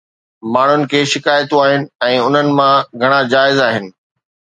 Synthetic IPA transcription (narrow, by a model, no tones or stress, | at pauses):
maːɳ̤ʊnɪ̆kʰeːʃɪkaːjt̪ũaːɦɪnɪ̆ɛ̃ːʊn̤ənɪ̆mãɡʱɐɽ̃ad͡ʑaːɪzaːɦɪnɪ̆